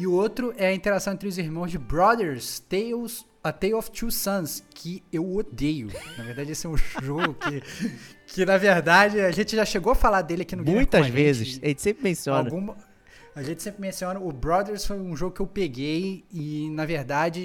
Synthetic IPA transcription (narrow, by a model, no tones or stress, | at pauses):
ɪʊot̪ɾʊʔɛɐĩnt̪eɾasɐ̃w̃ẽt̪ɾɪʊziɦmɐ̃w̃zd͡ʒɪbɾɔd̪eɾst̪ejos | ɐt̪ejɔft͡ʃusɐ̃skʰɪewod̪ejʊnɐveɾd̪ad͡ʒɪesɪɛũʒoɡʊkɪ | kʰɪnɐveɾd̪ad͡ʒɪaʒẽt͡ʃɪʒaʃeɡowɐfalad̪elɪakinʊɡmuĩj̃t̪ɐzvẽt͡ʃzɪsaʒẽt͡ʃsẽmpɾɪmẽsiõawnɐɡũmɐ | ɐʒẽnt͡ʃɪ̥sẽpɾɪmẽsiõnɐʊbɾɔd̪eɾsfojũʒoɡʊkɪewpeɡejɪnɐveɾd̪ad͡ʒɪ